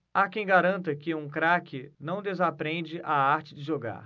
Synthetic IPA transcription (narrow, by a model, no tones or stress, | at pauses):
akẽj̃ɡaɾɐ̃nt̪ɐkɪũkɾakɪnɐ̃w̃d̪ezapɾẽd͡ʒɪʔaaɾt͡ʃɪd͡ʒɪʒoɡa̰ɾ